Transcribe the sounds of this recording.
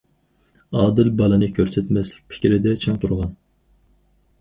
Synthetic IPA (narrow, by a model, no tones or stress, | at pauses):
ɑːd̪ɨlbɑlˠɨnɨkʲʰøɾsɛt̪mɛslɪk̚ʲpʰɪ̥kʲɾɪd̪ɛt͡ʃʰɑŋt̪ʰuɾʁɑn